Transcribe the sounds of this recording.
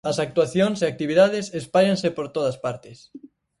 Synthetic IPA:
ɐsak̚t̪uaθjoŋseak̚t̪iβ̞iðaðɪsespaʎãnsepoɾt̪oðɐspaɾt̪ɪs

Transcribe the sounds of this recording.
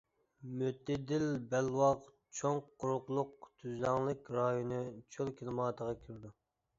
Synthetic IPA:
møt̪ʰːɪd̪ɪlbɛlwɑq | t͡ʃʰoŋqʰːʊɾʊqlˠʊqt̪ʰyzlɑŋlˠɪkʲɾɑjonɨt͡ʃʰølˠkʲʰilˠmɑːt̪ʰəʁɑkʲʰyɾd̪u

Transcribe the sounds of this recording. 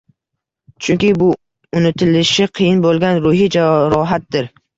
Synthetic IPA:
t͡ʃʰʊŋkʲɪbʊ | ʊnɪt̪ʰɪlɪʃɪqʰɨjɪnbolˠɡʲanɾʊhid͡ʒaɾɒɦat̪̚d̪ɪɾ

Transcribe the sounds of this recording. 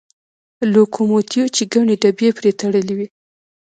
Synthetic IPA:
lokʰomot̪jot͡ʃeɡaɳeɖabjepɾet̪aɽəlewi

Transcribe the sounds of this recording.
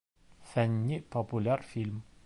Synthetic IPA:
fænʲːipʰopulʲæɾfilʲm

